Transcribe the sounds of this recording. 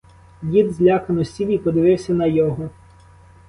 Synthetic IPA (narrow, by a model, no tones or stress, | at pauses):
dʲid̪zʲlʲakɐnɔsʲiwʲipɔd̪ɪʋɪwsʲɐnɐjɔɦɔ